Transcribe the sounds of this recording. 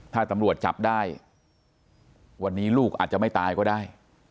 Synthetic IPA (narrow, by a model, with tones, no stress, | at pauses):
t̪ʰaː˥˩t̪a˧˦mɾu˨˩ət̪̚t͡ɕa̰˨˩p̚daː˥˩j | wa˧nːiː˦˥luː˥˩k̚ʔaː˨˩t̪̚a˨˩ma˥˩jt̪aː˧jkɔː˥˩daː˥˩j